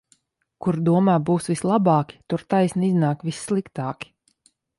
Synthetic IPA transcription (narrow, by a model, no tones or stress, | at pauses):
kuɾd̪uɔmaːbuːsvislˠabɑːkʲi̥t̪uɾt̪ajsniiznaːkvisːlˠikt̪aːkʲi̥